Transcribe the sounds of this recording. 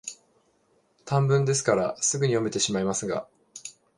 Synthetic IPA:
t̪ʰãmbɯ̟̃nd̪e̞s̬ɨ̥kaɾasɨɡɯ̟ɲ̟ijo̞me̞t̪e̞ɕimaimasɨɡa̰

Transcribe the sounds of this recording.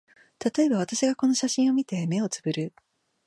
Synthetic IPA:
t̪at̪o̞e̞baβ̞at̪aɕiɡako̞no̞ɕaɕĩɰ̃o̞mʲit̪e̞me̞o̞t͡sɨ̥bɯ̟ɾɯ̟

